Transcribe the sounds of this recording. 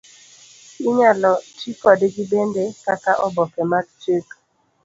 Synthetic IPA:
ɪɲalɔtikɔdeɡibendekakaʔɔbɔkɛmakt͡ʃek

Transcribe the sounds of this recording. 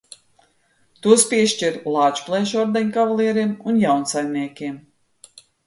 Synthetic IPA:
t̪uɔspʲiɛʃciɾlˠaːt͡ʃplˠɛːʃɔɾd̪ɛɲkavalˠiɛɾimunjawnsajmʲniɛkʲiɛm

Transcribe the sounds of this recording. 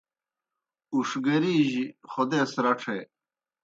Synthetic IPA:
uʂɡɐɾiːʑiχod̪eːsɾɐʈ͡ʂʰe

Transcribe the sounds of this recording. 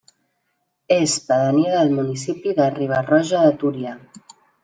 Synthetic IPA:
espaðəniðəlmunis̬ipiðariβ̞arɔʒaðət̪uɾia

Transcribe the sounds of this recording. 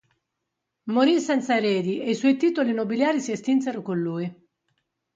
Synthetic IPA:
moɾisɛnt̪saeɾɛːd̪iʔeiswɔjt̪iːt̪olinobiljaːɾisiest̪ints̬eɾokonluːi

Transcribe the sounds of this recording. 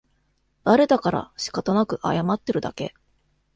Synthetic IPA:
d̪̥aɾe̞d̪akaɾa̰ɕi̥kat̪onakɯ̟ʔa̰jamat̪ːe̞ɾɯ̟d̪ake̞̰

